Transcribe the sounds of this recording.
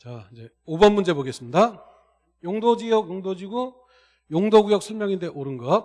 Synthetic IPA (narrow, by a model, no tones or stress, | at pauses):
t͡ɕaid͡ʑe̞ | obʌnmund͡ʑe̞boɡe̞s͈ɯmɲida | joŋdod͡ʑijʌkjoŋdod͡ʑiɡo | joŋdoɡujʌk̚sʰʌmjʌŋinde̞ʔoɾɯnɡʌt̚